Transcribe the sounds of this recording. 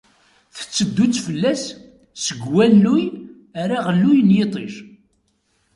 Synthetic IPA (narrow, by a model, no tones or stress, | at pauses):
θə̥t͡sːəd̪ːut͡sːfəlːæs | səɡwælːuj | æɾaʁlːujnjet̪ˤiʃ